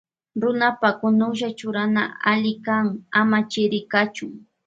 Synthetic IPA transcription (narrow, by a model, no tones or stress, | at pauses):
ɾʊnapakʊnʊʃ̬at͡ʃʊɾana̰aʎɪkaŋamat͡ʃɪɾɪkat͡ʃʊŋ